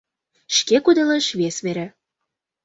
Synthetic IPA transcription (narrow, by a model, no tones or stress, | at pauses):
ʃkekud̪əleʃβesβeɾe